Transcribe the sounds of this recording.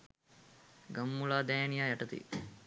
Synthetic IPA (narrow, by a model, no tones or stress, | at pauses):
ɡamːulaːd̪ɛːnijaːjɐʈɐt̪ḭ